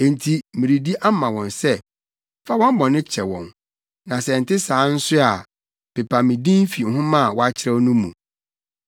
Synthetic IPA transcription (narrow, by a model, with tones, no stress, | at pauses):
ẽ˨ntʰi˨mĩ˨ɾi˨di˦ʔa˦mã˨wɔ̃˨nsɛ˦ | fa˦wɔ̃˦m˦bɔ̃˨nɪ̃˦t͡ɕʰɛ˨wɔ̃˨n | nã˨sɛ˨n̩˨tɪ˦sãː˨˦n̩˦sʊ˦a˨ | pɪ˨pʰa˨mĩ˨dĩ˦m˦fi˨n̩˨ɦʊ̃˦mã˦˨wɔ˦a˦t͡ɕʰɪ˦ɾɛ˦nũ˦mṵ̃˨